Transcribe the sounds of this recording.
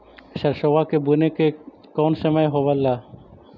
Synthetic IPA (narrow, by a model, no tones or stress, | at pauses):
ʃɐɾʃoʋakebuneke | kɔːnsəməjɦobɐlːa